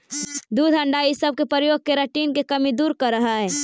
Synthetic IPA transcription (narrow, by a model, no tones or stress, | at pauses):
d̪uːd̪ʱɐ̃ɳɖaːisəb̚kepəɾəjoːɡ̚keɾɐʈiːnkekɐmid̪uːɾkɐɾːɐɦaɦɛː